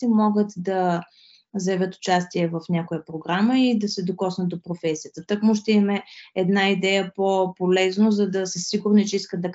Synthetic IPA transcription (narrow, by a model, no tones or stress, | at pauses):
imɔɡət̪d̪ɐ | zəɛvʲət̪ʊ̥t͡ʃast̪iɛvəfnʲjakojəpɾoɡɾaməid̪ɐsɛd̪okɔsnət̪̚d̪opɾofɛsijət̪ət̪ɐkmʊʃt̪ɛimɛɛd̪naid̪ɛjəpopolɛznozɐd̪ɐsəsiɡʊɾnit͡ʃɛiskət̪̚d̪ɐ